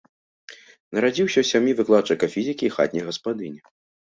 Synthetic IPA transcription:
nɐɾad͡zʲiwsʲɐwsʲamʲjivɨklˠat͡ʂɨkɐfʲizʲikʲixa̰t̪ʲnʲɛɣɐspad̪ɨnʲɛ

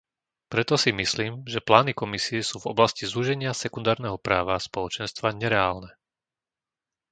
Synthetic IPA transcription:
pɾɛt̪ɔsimisliːmʒɛplaːnikɔmisiɛsuːvɔblascizuʒɛɲɪasɛkund̪aːɾnɛɦɔpɾaːʋaspɔlɔt͡ʃɛnst̪ʋaɲɛɾɛaːlnɛ

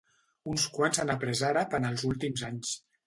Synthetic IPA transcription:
unskwanzanapɾəzaɾapənəlˠzulˠt̪imzaɲs

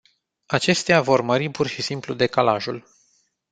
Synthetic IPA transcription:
at͡ʃe̞st̪eavo̞rməɾipurʃisimplud̪e̞kalaʒul

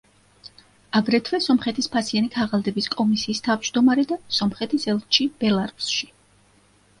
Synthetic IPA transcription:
aɡɾɛt̪ʰwɛsɔmχɛt̪ʰispʰasianikʰaʁalˠd̪ɛbiskʼɔmisiːst̪ʰavd͡ʒd̪ɔmaɾɛd̪asɔmχɛt̪ʰisɛlˠt̪t͡ʃʰib̥ɛlˠaɾusʃi̥

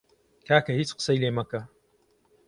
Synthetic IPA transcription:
kaːkɐhiːt͡ʃqɨ̥sɐjleːmɐkɐ

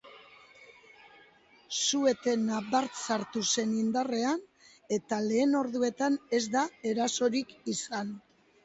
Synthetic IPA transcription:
sue̞t̪e̞naβaɾt͡saɾt̪use̞nind̪are̞an | e̞t̪ale̞ːno̞ɾðue̞t̪ane̞zd̪ae̞ɾaso̞ɾikisan

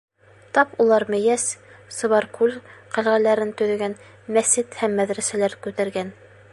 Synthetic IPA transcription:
t̪ɑpulˠɑɾmɘ̆jæssɤ̆βɑɾkʰʉlqæ̆lʁælæɾɘnt̪ɵ̆ðɵ̆ɡæn | mæsɘt̪hæmːæðɾæsælæɾkʉt̪æɾɡæn

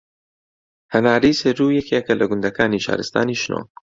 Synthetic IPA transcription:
hɐnaːɾijseɾujɛkekɐlɐɡʊnd̪ɐkaːniʃa̰ːɾɨst̪a̰ːniːʃno̰

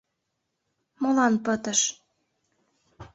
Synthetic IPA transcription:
molɑnpə̆t̪ə̆ʃ

